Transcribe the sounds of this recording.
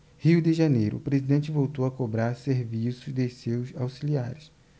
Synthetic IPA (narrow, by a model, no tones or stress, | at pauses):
hiwd̪ɪʒanejɾʊ̰ːpɾezid̪ẽnt͡ʃɪvowt̪owɐkobɾaɾseɾvisʊzd̪esewzawsilia̰ɾɪs